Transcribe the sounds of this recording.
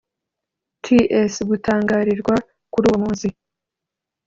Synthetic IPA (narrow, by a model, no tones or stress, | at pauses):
tʰiʔesɡutʰaːŋɡaːɾiɾɡwa | kuɾuːwmuːzi